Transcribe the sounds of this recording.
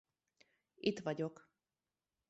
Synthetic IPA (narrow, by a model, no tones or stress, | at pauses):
it̪ʋɒɟok